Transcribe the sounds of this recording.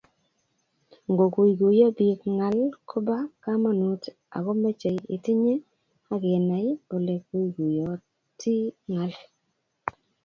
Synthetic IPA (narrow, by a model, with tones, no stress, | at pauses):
ŋɡo˨ku˨jɡu˨jɔ˦bi˨˦kŋa˨lkʰɔ˦ba˦ka˦ma˨nu˨t | a̰˨ɣɔ˦me˦t͡ʃe˨jɪ˨ti˦ɲe˦ | a˦ɡɪ˨na˨jo˨le˨k̚u˦jɡu˨jɔ˨ | ti˦ŋa˨˦l